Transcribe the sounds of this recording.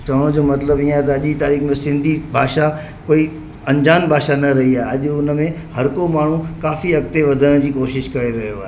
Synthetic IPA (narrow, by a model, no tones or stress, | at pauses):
t͡ɕɐʋəɽ̃d͡ʑoːmɐt̪ləbĩːaɦet̪ɐɐʄit̪aːɾiːxmẽsɪ̃nd̪ʱibʱaːʃa | koːi | ɐ̃ɲd͡ʑaːnbʱaːʃanɐɾɐɦiaːeɐʄʊnə̆mẽ | hɐɾkomaːɳ̤ũkaːfiɐɡt̪eʋɐd̪ʱəɽ̃d͡ʑiːkoːʃɪʃkɐɾeɾɐɦjoaːɦe